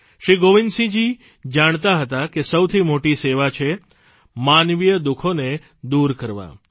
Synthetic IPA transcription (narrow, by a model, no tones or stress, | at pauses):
ʃɾiɡoʋinsĩd͡ʒi | d͡ʒaɳ̃t̪aɦət̪akesəwt̪ʰimoʈiseʋat͡ʃʰe | manʋijəd̪ukʰone | d̪uɾkəɾʋa̰